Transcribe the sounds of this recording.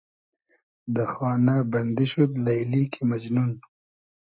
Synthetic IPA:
d̪əxɑːnabɐnd̪iʃut̪lajlikʰimad͡ʒnun

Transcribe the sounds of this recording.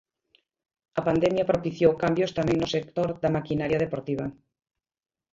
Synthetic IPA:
ɐpand̪ɛmjɐpɾopiθjowkambjost̪amɛ̃ŋnʊsek̚t̪oɾðɐmakinaɾjɐð̞epoɾt̪iβ̞ɐ

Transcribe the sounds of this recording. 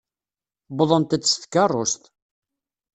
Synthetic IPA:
bəðˤənt̪æːsθkːɑrˤːost̪

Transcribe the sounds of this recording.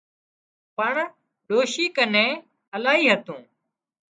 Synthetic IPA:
pəɳ | ɗoːʃiːkənẽː | əlaːɦiːɦət̪ũː

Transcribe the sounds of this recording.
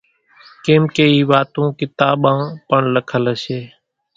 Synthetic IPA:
keːmkeːiːʋaːt̪ũːkɪt̪aːɓãːpəɳləkʰələseː

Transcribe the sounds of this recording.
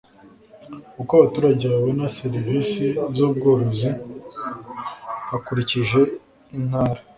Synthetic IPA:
kukaβatuːɾaɟeaβonaseɾiviːsizoːb̚ɡoːɾozi | hakuɾiciʒe̞ | in̥haːɾa

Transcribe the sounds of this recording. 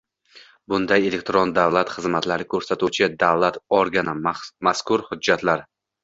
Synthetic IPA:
bʊnd̪aje̞le̞k̚ʲt̪ɾond̪avlˠat̪χɨzmat̪laɾɪkʰɵɾsat̪ut͡ʃʰɪd̪avlˠat̪ɒɾɡʲanɪmaskʰʊɾhʊd͡ʒːat̪laɾ

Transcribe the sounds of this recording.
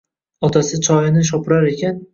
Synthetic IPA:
ɒt̪ʰasɪt͡ʃʰɒjɪnɪʃ̬ɒpɪɾaɾe̞kʲan

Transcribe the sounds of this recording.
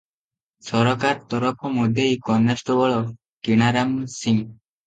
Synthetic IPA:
sɔɾɔkaɾt̪ɔɾɔpʰɔmod̪ʱejkɔnesʈɔbɔɭɔ | kiɽ̃aɾamsiŋ

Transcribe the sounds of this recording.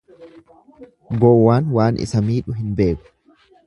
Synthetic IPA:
ɡɔwːaːnwaːnʔɪ̰sɐmiːᶑʊɦɪnbe̞ːkʊ̥

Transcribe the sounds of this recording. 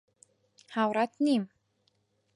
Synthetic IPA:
hawɾat̪nim

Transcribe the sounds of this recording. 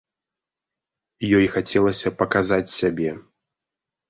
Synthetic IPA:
jɔjxat͡sʲɛlˠɐsʲɐpɐkazat͡sʲsʲabʲɛ

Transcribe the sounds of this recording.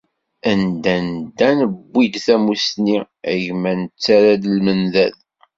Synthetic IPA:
ænd̪ænd̪ænəbːid̪θæmusni | æʝmænət͡sːæɾæd̪əlmənðæð

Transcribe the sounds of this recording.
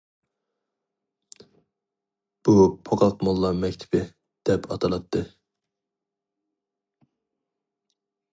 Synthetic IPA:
b̥upʰoqʰɑlˠqmɑlˠːɑɾmɛkʲt̪ʰɪ̥bɪ | d̪̥ɛpʰɑ̰t̪ʰɑlˠɑt̪ʰːɨ

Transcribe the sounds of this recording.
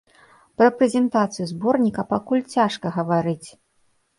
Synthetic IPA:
pɾɐpɾɛzʲɛnt̪at̪sɨjuzbɔrnʲikɐpakulʲt͡sʲaʂkɐɣɐvaɾɨt͡sʲ

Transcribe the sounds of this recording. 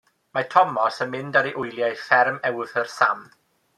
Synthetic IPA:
matʰɔmɔsənmɪndaɾiʔʊjlˠjajfɛrmɛwθərsam

